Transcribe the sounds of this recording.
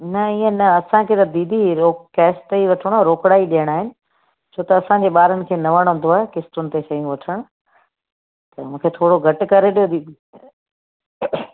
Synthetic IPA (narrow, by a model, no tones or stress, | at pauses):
nɐiːə̃nɐɐsãkʰeːt̪ɐd̪iːd̪ʱiɾokɛːst̪eiʋɐʈʰəɽ̃ːɾoːkɽaːiɗijəɽ̃aːɦɪnɪ̆ | t͡ɕʰoːt̪ɐːsãɲ̆d͡ʑeːɓaːɾənɪ̆kʰeːnɐʋəɽ̃ɦʊ̃nd̪oaːɦekɪsʈ̪ʊnɪ̆t̪esɐjũʋɐʈʰəɽ̃ʊ | t̪ɐmũːkʰet̪ʰoːɽoɡʱɐʈʊ̆kɐɾeɗijod̪iː